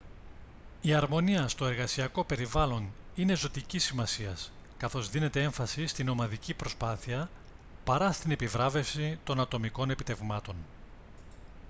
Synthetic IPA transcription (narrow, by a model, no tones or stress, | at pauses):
iɐɾmo̞niɐst̪o̞e̞ɾɣɐsiɐko̞pe̞ɾivɐlo̞nine̞zo̞t̪icisimɐsiɐskɐθo̞zðine̞t̪e̞e̞ɱfɐsist̪ino̞mɐðicipɾo̞spɐθiɐ | pɐɾɐst̪inepivɾɐve̞fsit̪o̞nɐt̪o̞miko̞ne̞pit̪e̞vmɐt̪o̞n